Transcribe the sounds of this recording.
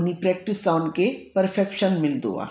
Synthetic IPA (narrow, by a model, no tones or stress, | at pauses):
nipɾɛːk̚ʈɪsːaːnkepəɾfʰɛkʃənmɪld̪ṵa̰ː